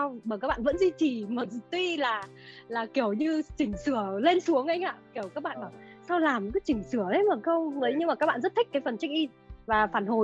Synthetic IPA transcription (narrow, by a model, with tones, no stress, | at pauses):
a˧wɓaː˨˩kaː˦˥k̚ɓ̰ːvə̰˧˥nzi˧t͡ɕi˨˩məː˨˩zt̪wi˧laː˨˩ | laː˨˩ki˧˩əwɲɨ˧t͡ɕï˨˩ŋ̟sɨ˧˩əle˧nsu˨˦əŋʔə˧jŋ̟ʔa̰ː˧˨ki˧˩əwkaː˦˥k̚ɓa̰ː˧˨ɓaː˨˩wsa˧wlaː˨˩m˨kɨ˨˦t͡ɕï˨˩ŋ̟sɨ˧˩əə˨˦məː˨˩xə˧wvəː˨˦jɲɨ˧ŋma˨˩aː˦˥k̚ɓaː˧˨zə˦˥t̪ʰï˦˥k̚kaː˨˦jfə˨˩nt͡ɕa˦˥k̟̚ʔi˧ | vaː˨˩faː˨˧˩nho˨˩j